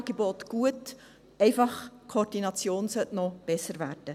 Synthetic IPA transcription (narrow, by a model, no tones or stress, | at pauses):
ɡebotɡ̥uət | ɛɪfɑχkʰoːrd̥inɑt͡sjoːnsœtnɔb̥ɛsəɾvæːrd̥ə